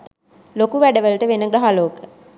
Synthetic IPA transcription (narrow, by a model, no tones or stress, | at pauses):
lokuʋæɖəʋəlʈəʋenəɡɾaɦaloːkə